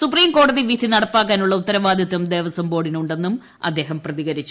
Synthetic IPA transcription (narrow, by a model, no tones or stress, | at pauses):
supriːmko̞ːɽɐðiʋid̪ʱinɐɽɐpːaːkːaːnuɭːɐut̪ːɐɾɐʋaːd̪ʱjɐt̪ːɐmd̪e̞ːʋɐsɐmpo̞ːɽinuɳɖe̞nːum | ɐ̰d̪ːe̞ːɦɐmprɐðiɣɐɾit͡ɕːu